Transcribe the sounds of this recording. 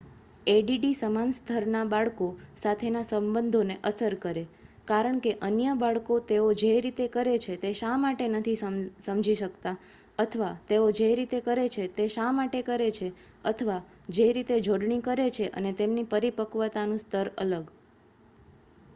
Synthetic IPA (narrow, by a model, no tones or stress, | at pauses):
eɖiɖisəmanst̪ʰəɾnabaɭkosat̪ʰenasəmbənd̪ʱoneʔəsəɾkəɾekaɾəɳkeʔənjəbaɭkot̪eod͡ʒeɾit̪ekəɾet͡ʃʰet̪eʃamaʈenət̪ʰisəmd͡ʒʱiʃəkt̪a | ət̪ʰəʋat̪eod͡ʒeɾit̪ekəɾet͡ʃʰet̪eʃamaʈekəɾet͡ʃʰe | ət̪ʰəʋa | d͡ʒeɾit̪ed͡ʒʱoɽɳikəɾet͡ʃʰeʔə̰net̪emnipəɾipəkʋət̪anũst̪ʰəɾə̰ləɡ